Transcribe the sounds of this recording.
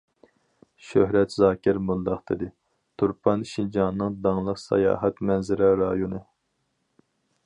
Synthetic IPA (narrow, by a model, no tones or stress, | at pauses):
ʃøɦɾɛt̪zɑːkʲɪɾmund̪ɑχt̪ʰɨd̪ɨ | t̪ʰuɾpʰɑnʃind͡ʒɑnːɨŋd̪ɑŋlˠəqsɑ̰jɑ̰ːɦɛt̪mɛnzɪɾɛɾɑjonɨ